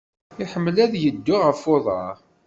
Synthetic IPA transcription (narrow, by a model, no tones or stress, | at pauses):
ɪħəmːəlæðjəd̪ːʊʁəfoðˤɑ̰